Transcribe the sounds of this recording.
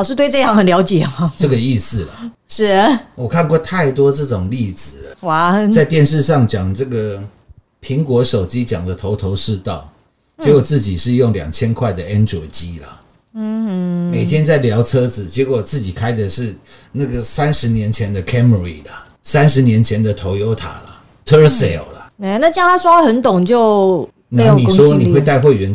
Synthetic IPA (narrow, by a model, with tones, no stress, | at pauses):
ʂɻ̩˥˧t̪we˥˧ɪʈ͡ʂɤ˥˧jɑ˥˩ŋhə˨˩nljɑ˧˥ʊt͡ɕjɛ˨˩ma˦ʈ͡ʂə˥˩ɡə˨i˥˧sɹ̩˥˨lɐ˨˩ | ʂɻ̩˥˩wɔ˨˩kʰa˥˧nkwɔ˥˧t̪ʰa˥˩ɪt̪wɔ˥ʈ͡ʂɤ˥˩ʈ͡ʂʊ˨˩ŋli˥˩d͡zɹ̩˨˩lə˩wa˥˩t͡sa˥˧ɪt̪jɛ˥˧nʂɻ̩˥˧ʂɑ˥˨ŋt͡ɕjɑ˨˩ŋʈ͡ʂɤ˥˩ɡə˩ | pʰi˧˥ŋkwɔ˧˥ʂo˨˩ʊt͡ɕi˦t͡ɕjɑ˨˩ŋd̪ə˦t̪ʰo˧˥ʊt̪ʰo˧˥ʊʂɻ̩˥˧t̪ɑ˥˩ʊ | t͡ɕjɛ˧˥wɔ˨˩t͡sɹ̩˥˩t͡ɕi˨˩ʂɻ̩˥˧jʊ˥˩ŋljɑ̰˨˩ŋt͡ɕʰjɛ˥nkʰwa˥˩ɪd̪ə˩ɛ˦˥nʈ͡ʂɔ˨˩ɪt͡ɕi˦lə̰˨˥˩ | me˨˩ɪt̪ʰjɛ˥nt͡sa˥˩ɪljɑ˧˥ʊt͡sʰɤ˦d͡zɹ̩˨˩t͡ɕjɛ˧˥kwɔ˨˩t͡sɹ̩˥˩t͡ɕi˨˩kʰa˥ɪd̪ə˨ʂɻ̩˥˧na˥˩ɡə˩sa˦nʂɻ̩˧˥njɛ˧˦nt͡ɕʰjɛ˧˦nd̪ə˨kʰɛ˥mə˨ɹi˨˩lə˨ | sa˦nʂɻ̩˧˦njɛ˧˥nt͡ɕʰjɛ˧˦nd̪ə˨t̪ʰo˧˥ʊjo˦˥ʊt̪ʰa̰˨˩lə̰˦ | t̪ʰə˦˥se˨˩˨lə˨e˧˦na˥˩t͡ɕjɑ˥ŋt̪ʰa˥swɔ˥xə˧˦nt̪ʊ˨˩ŋt͡ɕjo˥˩˧ʊ | na˧˨˧ni˨˩ʂwɔ˦ni˨we˥˧ɪa˥˧ɪxwe˥˩ɥɛ˧˥n